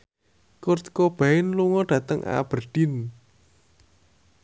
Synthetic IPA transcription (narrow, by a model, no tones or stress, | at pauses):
kʊrt̪kob̥aɪnluŋɔɖ̥ä̤t̪əŋʔa̰b̥ərd̥ɪn